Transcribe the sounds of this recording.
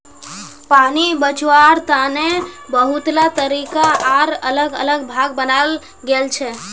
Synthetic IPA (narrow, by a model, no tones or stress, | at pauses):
panibət͡ʃaɾt̪anebəɦʊt̪lat̪əɾikaːɾələɡə̰ləɡbʱaɡbənal | ɡelt͡ʃʰe